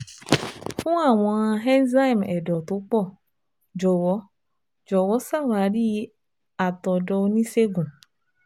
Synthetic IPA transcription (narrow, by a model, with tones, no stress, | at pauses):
fũ˦a˦˨w̃ɔ̃˧ã˧ɦɛ˦nza˦i˨mɛ˨dɔ˨to˨˦k͡pɔ˦˨ | d͡ʒɔ˨wɔ˨˦ | d͡ʒɔ˨wɔ˨˦sa˦˨wa˨˦ɾi˦˨˦ | a˨tɔ˨dɔ˧o˧nĩ˦se˦ɡũ˨